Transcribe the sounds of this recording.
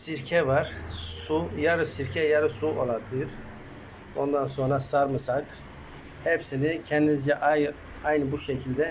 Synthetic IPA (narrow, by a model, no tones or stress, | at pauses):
siɾcʰɛvaɾ̥sujaɾɯsiɾcʰɛjaɾɯsuolˠat̪ˠɯɾ̥ | o̞nd̪anso̞nɾasaɾmɯsak | hɛpsinicʰɛnd̪inzd͡ʒɛʔaj | ajnɯbuʃecʰilʲd̪ɛ